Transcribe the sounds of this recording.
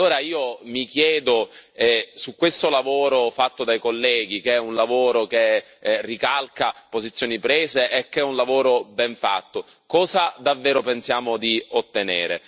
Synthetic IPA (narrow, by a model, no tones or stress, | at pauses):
lːoːɾaiːomikjɛːd̪oɛsukːwest̪olavoːɾofat̪ːod̪ajkolːɛːɡikeɛunlavoːɾoke | rikalkapozit̪sːjoːnipɾeːzeʔɛkːɛunlavoːɾobɛɱfa̰t̪ːo | kɔːzad̪avːeːɾopensjaːmod̪iot̪ːenḛːɾḛ